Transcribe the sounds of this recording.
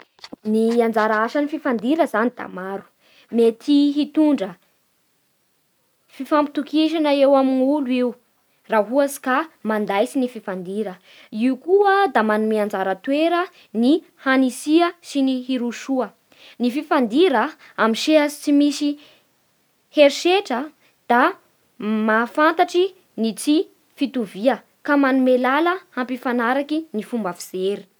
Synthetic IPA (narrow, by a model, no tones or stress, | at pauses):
niiand͡zaɾaaʃənififand̪iɾəzanid̪a̰maɾu̥ | met̪ʰiɦit̪uɳɖ͡ʐə | fifampi̥t̪ukiʃ̬anaewaminuluiw | raɦuasi̥kamand̪ajsinififand̪iɾə | iukuəd̪amanumiand͡zaɾət̪weɾə | ni | hanisiəsiniɦiɾuʃuə | nififand̪iɾə | amiʃeasit͡simisi | heɾiʃeʈ͡ʂə | d̪̥a | mafant̪aʈ͡ʂi | nit͡si | fit̪uviə | kamanumelaləampifanaɾakinifumbafiz̥eɾi̥